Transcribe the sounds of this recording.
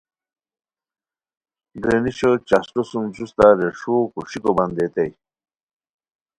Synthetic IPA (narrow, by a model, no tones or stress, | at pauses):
ɡɾeniɕət͡ɕasʈosumd͡ʑust̪aɾeʂukuʂikoband̪et̪ej